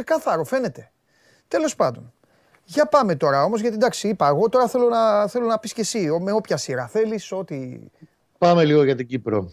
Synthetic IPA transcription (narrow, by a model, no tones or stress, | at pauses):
sekɐθɐɾofe̞ne̞t̪e̞̥ | t̪e̞lo̞spɐnd̪o̞n | ʝɐpɐme̞t̪o̞ɾɐo̞mo̞zʝɐt̪id̪ɐksiipɐeɣo̞t̪o̞ɾɐθe̞lo̞nɐθe̞lo̞nɐpisce̞siome̞o̞pçɐsiɾɐθe̞liso̞t̪i | pɐmeliɣoʝɐt̪iɟipɾo